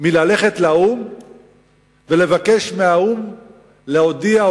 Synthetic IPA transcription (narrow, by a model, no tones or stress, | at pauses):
milale̞χe̞t̪laum | vele̞vake̞ʃmeaum | leo̞dia